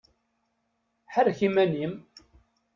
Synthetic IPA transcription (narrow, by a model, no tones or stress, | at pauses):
ħəɾçimænim